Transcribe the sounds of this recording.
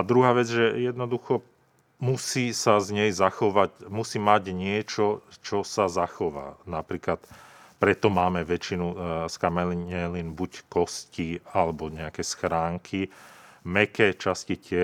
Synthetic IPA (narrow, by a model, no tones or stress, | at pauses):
d̪ɾuɦaːʋɛd͡zʒɛjɛd̪nɔd̪uxɔ | musiːsazɲɛjzaxɔʋacmusiːmaɟɲɪɛt͡ʃɔt͡ʃɔsazaxɔʋa̰ːnapɾiːklat̪ | pɾɛt̪ɔmaːmɛʋɛt͡ʃinuskamɛliɛliːnbuckɔscialɛbɔɲɛakɛsxɾaːŋkʰimɛkɛt͡ʃascicɪɛ